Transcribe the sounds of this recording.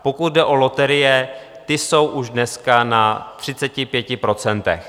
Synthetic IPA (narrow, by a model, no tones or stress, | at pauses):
po̞kut̪̚dɛʔo̞lo̞t̪ɛɾɪjɛ | t̪ɪso̞wʔuʒdnɛskanat̪r̝̥ɪt͡sɛcɪpjɛcɪpɾo̞t͡sɛnt̪ɛ̰x